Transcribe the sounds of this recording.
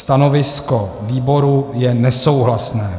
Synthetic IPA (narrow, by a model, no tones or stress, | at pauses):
t̪ano̞vɪskoviːbo̞ɾujɛnɛso̞wɦlasnɛː